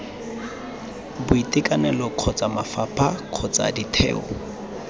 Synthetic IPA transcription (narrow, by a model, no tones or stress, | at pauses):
bʊitʼɪkʼanɛlɔq͡χʰɔt͡sʼamafapʰakʰɔt͡sʼa̰ditʰɛ̰ːɔ̰